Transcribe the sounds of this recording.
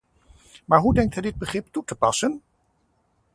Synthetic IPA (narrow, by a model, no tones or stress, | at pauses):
maːɹɦudɛŋk̚tɦɛjdɪd̚bəχrɪp̚tutəpɑsən